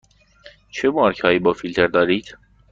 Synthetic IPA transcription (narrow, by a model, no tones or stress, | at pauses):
t͡ʃʰɛmuɑɾkʰɑibɔfilt̪ʰɛɾd̪ɑɾit͡sʰ